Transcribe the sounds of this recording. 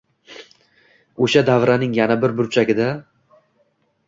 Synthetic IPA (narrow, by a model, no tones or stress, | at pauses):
oʃad̪avɾanɪŋjanabɪɾbʊɾt͡ʃʰaɡʲɪd̪a